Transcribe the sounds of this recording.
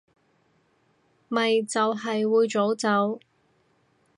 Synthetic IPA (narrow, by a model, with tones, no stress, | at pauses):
mɐ˨jt͡sɐ˨wɦɐ˨jwuː˨˧jt͡so˨˥wt͡sɐ˨˥w